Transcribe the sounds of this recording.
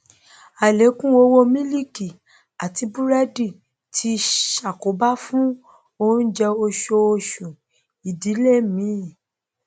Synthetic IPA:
a˨le˨˦kũ˦o˧wo˦mĩ˦li˦ki˨ | a˨ti˧˦bu˦ɾa˦di˦˨ | tʰi˧ʃa˨ko˨˦ba˦fũ˦ | o˦n̩˦d͡ʒɛ˧o˧ʃo˧o˧ʃũ˨ | i˨di˨˦le˦˨mĩ˨˦˨

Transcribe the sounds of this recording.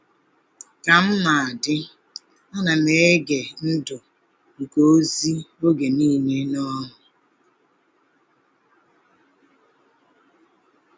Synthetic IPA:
ka˨m̩˦ma˨a˨dɪ˦ | a˦na˨me˨e˦ɡe˨n̩˦dʊ˨ | ŋ̩˨ko˦o˦zi˦o˦ɡe˨niː˦ne˦nɔ˦ɦʊ˨

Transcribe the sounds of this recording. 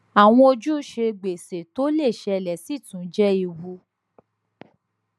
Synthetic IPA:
a˨w̃ɔ̃˧o˧d͡ʒu˦ʃe˧ɡ͡be˨se˨to˨˦le˦˨ʃɛ˧lɛ˨si˦˨tũ˨˦d͡ʒɛ˦i˧wu˧˦

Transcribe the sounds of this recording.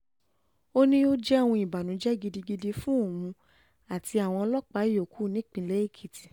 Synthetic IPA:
o˦nĩ˦o˦d͡ʒɛ˦˨wũ˧i˨ba˨nũ˨˦d͡ʒɛ˦ɡi˧di˧ɡi˧di˧fũ˦o˦˨ũ˧ | a˨ti˧a˨w̃ɔ̃˧ɔ˧lɔ˦k͡pa˨˦i˦˨jo˨kʰu˨˦˨nĩ˦k͡pĩ˧˦le˨˦i˦˨kʰi˨ti˨

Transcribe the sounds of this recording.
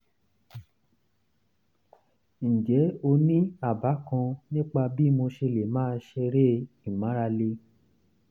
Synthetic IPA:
ñ̩˨d͡ʒɛ˨˦o˧nĩ˦a˦˨ba˨˦kã˧nĩ˦k͡pa˧bi˦mo˧ʃe˧le˨mãː˦˧ʃɛ˧ɾe˦ | ĩ˨mã˨˦ɾa˧le˧˦

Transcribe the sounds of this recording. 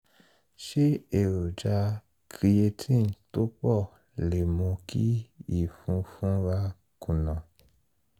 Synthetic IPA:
ʃe˦e˨ɾo˨d͡ʒa˧ | kɾi˧e˧tʰĩ˦˨n˨to˦k͡pɔ˦˨ | le˨mõ˧kʰḭ˦i˦˨fũ˧fũ˦ɾa˧ | kũ˨nã˨

